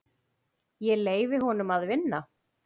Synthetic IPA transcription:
jɛleːjvɪɦɔnʏmaðvɪnːa

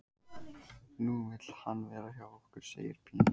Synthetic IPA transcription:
nuːvɪlhanːvɛːɾaçjɔɣɔhkʏɾ̥sḛːjɪ̰ɾ̥pʰiːn

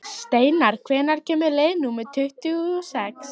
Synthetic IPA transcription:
st̪eːjnaɾ̥kʰvɛːnaɾ̥cʰɛːmʏlejnuːmɪt̪ʰʏht̪ʏɣɔsɛks

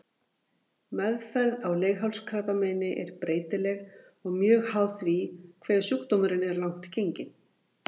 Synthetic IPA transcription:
mɛðfɛɾðawleːɣɦawlskʰɾapamɛːnɪʔɛɾpɾeːjt̪ɪlɛɣ | ɔɣmjœːɣhaːwθvikʰvɛːðsukt̪omʏɾɪnɛɾlawŋ̥t̪cejɲcɪn

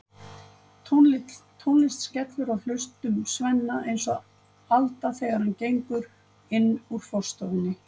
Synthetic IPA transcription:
ut̪ʰunlɪst̪scɛt̪lʏɾawl̥ʏst̪ʏmsvɛnːaejnsɔ | alt̪aθɛɣaɾancejŋkʏɾ | ɪnːuɾ̥fɔr̥st̪ɔvɪnːɪ

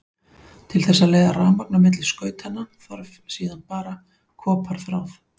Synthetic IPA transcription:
t̪ʰɪlθɛsːaleːjðaraːmak̚namɪt̪lɪskœːɥt̪hanːanθɔɾvsiːðanpaːɾa | kʰɔːpʰaɾ̥θɾaːwf

